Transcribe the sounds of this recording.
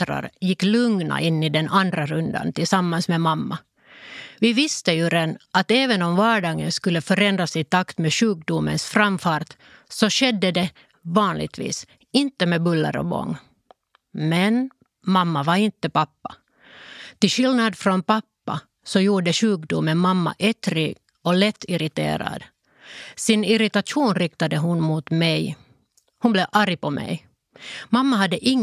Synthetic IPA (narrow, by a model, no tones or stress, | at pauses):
t̪ɾa̰ɾjɪkːlɵŋna̰ʔɪnːɪd̪ɛnand̪ɾaɾɵnd̪a̰nt̪ɪlsamːansmemamːa | vɪvɪst̪əjʉɾɛnʔat̪ɛːvənɔmvɑːɖɑːɡənskɵlːəfœɾɛnd̪ɾasɪt̪akt̪meɕʉːk̚d̪ʊmə̰nsfɾamfɑːɾt̪ | sɔɕɛd̪ːəd̪ɛ | vɑːnlɪ̰ɡ̚t̪vḭːs | ɪnt̪ːəmebɵlːə̰ɾɔ̰bɔ̰ŋː | mɛn | mamːavaɾɪnt̪ːəpapːa | t̪ɪʃɪlnad̪fɾɔnpapːa | sɔjuːɖəɕʉ̟ːkd̪ʊmːənmamːa̰ʔɛt̪ɾɪɡ | ɔlɛt̪ʰːɪɾɪt̪ḛːɾa̰d̪ | sɪnɪɾɪt̪aʂuːnɾɪk̚t̪ad̪əɦʊnmut̪mɛj | hʊnblɛʔaɾɪpɔmʔɛ̰j | mamːaɦɑd̪ːəʔɪŋː